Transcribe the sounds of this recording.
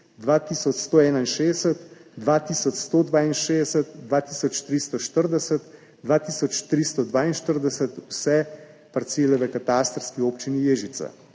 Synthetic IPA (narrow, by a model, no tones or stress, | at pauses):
d̪ʋaːt̪isɔt͡ʃst̪oɛːnainʃeːsət̪d̪ʋaːt̪iːsɔt͡ʃst̪od̪ʋaːinʃeːdsət̪̚d̪ʋaːt̪iːsɔt͡ʃt̪ɾist̪ɔʃt̪əɾd̪ɛsət̪ | d̪ʋaːt̪iːsɔt͡ʃt̪ɾist̪ɔd̪ʋaːinʃt̪əɾd̪ɛsət̪wsɛ | pɐɾt̪seːlɛʋəkat̪ast̪ɾskioːpt͡ʃinijeːʒit̪sa̰